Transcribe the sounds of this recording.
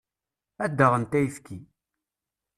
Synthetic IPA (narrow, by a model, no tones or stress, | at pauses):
æd̪ːəʁənt̪æjifki